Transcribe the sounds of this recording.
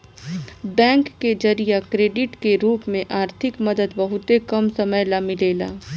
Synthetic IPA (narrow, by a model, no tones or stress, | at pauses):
bɛ̃ːŋkːed͡ʒɐɾijakɾeːɖɪʈkeɾuːpmẽʔaːɾt̪ʰɪkmɐd̪əd̪bɐɦʊt̪ekɐmsɐməjlamɪleːla̰ː